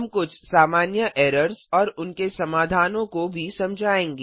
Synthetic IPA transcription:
ɦɐmkʊt͡ʃʰsaːmaːnjəʔɛːɾəɾzɔːɾʊnkesɐmaːd̪ʱaːnõkobʱisɐmd͡ʒʱaːẽːŋɡe

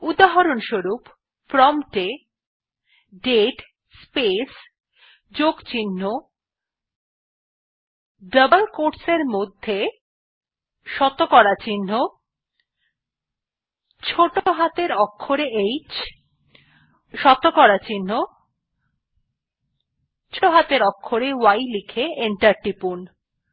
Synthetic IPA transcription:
ud̪aɦaɾonʃoɾupː | ɾɔmʈe | ɖeʈ | spes | d͡ʑoɡt͡ɕinːo | ɖəbəlkoɾɖseɾmod̪ʱːe | ʃɔt̪okɔɾat͡ɕinːo | t͡ɕʰoʈoɦat̪eɾɔkʰːoɾeejt͡ɕ | ʃɔt̪okɔɾat͡ɕinːo | t͡ɕʰoɦat̪eɾɔkʰːoɾewajlikʰeeɳʈaɾʈipun

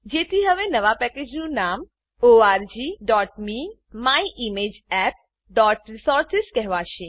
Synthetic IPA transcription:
d͡ʒet̪ʰiɦəʋenəʋapɛked͡ʒnũnam | oaɾd͡ʒiɖɔʈmi | maiʔimed͡ʒɛp̚ | ɖɔʈɾisɔɾsɪskɛɦʋaʃẽ

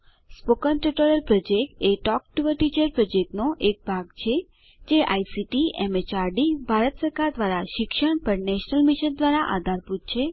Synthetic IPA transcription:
spokənʈɾiʈoɾəlpɾɔd͡ʒekʈeʈɔk̚ʈuʋəʈid͡ʒəɾpɾɔd͡ʒek̚ʈnoʔek̚bʱaɡt͡ʃʰe | d͡ʒeʔa̰isiʈiɛ̰met͡ʃaɾɖibʱaɾət̪səɾkaɾd̪ʋaɾaʃɪkʃəɳpəɾnɛʃnəlmiʃənd̪ʋaɾaʔa̰d̪ʱaɾput̪̚t͡ʃʰe

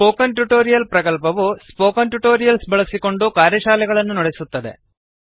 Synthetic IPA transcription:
spo̞ːkɐnʈuʈoːɾijɐlpɾɐkɐlpɐʋuspo̞ːkɐnʈuʈo̞ːɾijɐlsbɐɭɐsiko̞ɳɖukaːɾjɐʃaːlɛɣɐɭɐnːunɐɽesut̪ːɐd̪e̞̰

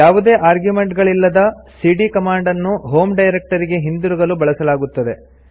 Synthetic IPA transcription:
jaːʋud̪e̞ːʔaːɾɡjume̞ɳʈɡɐɭilːɐd̪ɐ | siːɖikɐmaːɳɖɐnːuɦo̞ːmɖɐjɾek̚ʈɐɾiɡe̞ɦind̪uɾuɡɐlubɐɭɐsɐlaːɡut̪ːɐd̪e̞

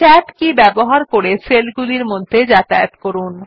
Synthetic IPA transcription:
ɛʈkibɛboɦaɾkoɾeselɡuliɾmod̪ʱːed͡ʑat̪aet̪koɾun

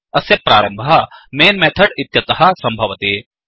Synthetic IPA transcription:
ɐsjɐpɾaːɾɐmbʱɐɐmeːnmɛːt̪ʰɐɽɪt̪jɐt̪ɐɦɐsɐ̃mbʱɐʋɐt̪eː

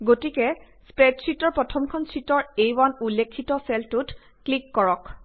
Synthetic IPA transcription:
ɡotikɛ | spɛtsitɔɹpɹɔtʰɔmkʰɔnsitɔɹejwanulːekʰːitɔsɛltut | klikːɔɹɔk

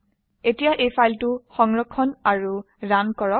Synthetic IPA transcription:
etijaʔejpʰajltʊxɔŋɹɔkʰːɔnaɹu | ɹankɔɹɔk̚

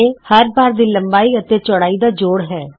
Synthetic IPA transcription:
ehəɾbaːɾd̪iːləmbaːiːət̪eːt͡ʃɔɽaːiːd̪aːd͡ʒoːɽɦɛː

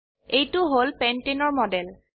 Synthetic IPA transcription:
ejtʊɦolpɛntenɔɹmɔdɛl

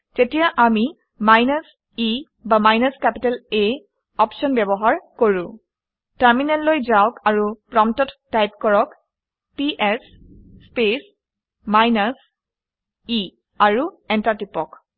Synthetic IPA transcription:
tetijaʔami | majnas | i | bamajnaskɛpitale | ɔpsʃɔnbɛbɔɦaɹkoɹʊ̃ | taɹminɛlːojzawkaɹupɹɔmtɔtː | ajp̚kɔɹɔk | piʔɛsː | pes | majnas | i | aɹu | ɛntatipɔk

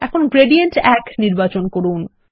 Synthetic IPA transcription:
ɛkʰonɡɾeɖijeɳʈɛkniɾbat͡ɕonkoɾun

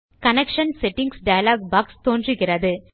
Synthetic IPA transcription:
kɐnɛkʂɐnsɛʈːɪŋɡsɖɐjɐlaːɡ̚baːkst̪oːndrɯɣɪrɐðɯ

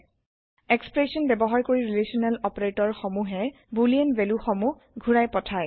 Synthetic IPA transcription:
ɛkspɹesiɔnbɛbɔɦaɹkoɹiɹilesiɔnɛlɔpɹetɔɹxɔmuɦɛ | buliɛnbeluxɔmu | ɡʱuɹajpɔtʰaj

